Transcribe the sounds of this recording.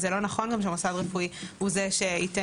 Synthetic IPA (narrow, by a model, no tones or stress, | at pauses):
zelonaχo̞nɡamʃemosadʁefuihuzeʃeite